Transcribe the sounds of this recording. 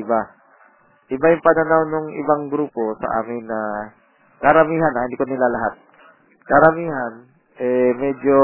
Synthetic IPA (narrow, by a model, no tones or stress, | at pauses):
ɪba | ʔɪbajʊŋpɐnanawnoŋʔɪ̰baŋɡɾuːpo̞sɐ̰ʔa̰ːmɪnːɐ | kɐɾɐmiːɦanʔɐhɪnd̪iːkonɪlalɐɦat̪̚ | kɐɾɐmiːɦan | ʔɛmɛd͡ʒo